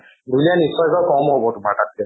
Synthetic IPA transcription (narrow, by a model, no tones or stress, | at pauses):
dʱulijanisɔjkɔkɔmɦobɔtumatat̚kɛ